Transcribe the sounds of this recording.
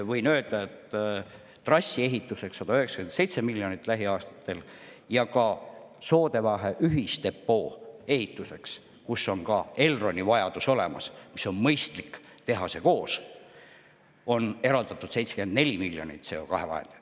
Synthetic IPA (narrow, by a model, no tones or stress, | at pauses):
vɤjnø̞ːld̪̥ɑet̪ː | rɑsʲːie̞ɦit̪ːˑuse̞ksːɑd̪̥ɑyheksɑ̥kyend̪se̞jt̪se̞milːjo̞nit̪ːˑlæɦiɑːst̪ɑ̥t̪ːe̞l | jɑkɑ | so̞ːd̪e̞vɑɦe̞ʔyɦist̪e̞pːo̞ːe̞ɦit̪ːˑuse̞ks | kusːo̞ŋkɑe̞lro̞nʲivɑjɑd̪̥uso̞le̞̰mɑ̰smiso̞nmɤjst̪likː | t̪e̞ɦɑse̞ko̞ːs | o̞ne̞ɾɑld̪̥ɑt̪ːˑud̪̥sejt̪seɡ̥end̪nelʲimilʲːjo̞̰nḭt̪ːˑse̞o̞̰kɑ̰ɦe̞vɑ̰ɦḛd̪e